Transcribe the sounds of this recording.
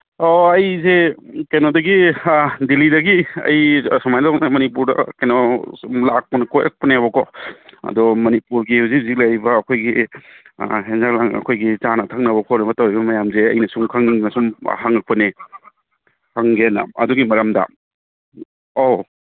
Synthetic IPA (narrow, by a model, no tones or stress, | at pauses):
oɐjzekenodɐɡidilidɐɡiɐ̰jsɔmajdɔnemɐnipuɾdɐ̰kenɔlak̚pɐnɐkojʔa̰k̚pɐneβɐkʰɔɐ̰dɔmɐnipuɾɡihuwzik̚zik̚lajbɐːkʰojɡḭ | ɦenzaklaŋɐ̰kʰojɡizanɐtʰak̚nɐβɐkʰɔnɐbɐtɐwɾibɐmɐjamzeɐjnɐsuŋkʰɐŋnɐsum̰haŋɐk̚pɐne | haŋɡena̰ɐ̰duɡimɐɾɐmdɐ̰ | o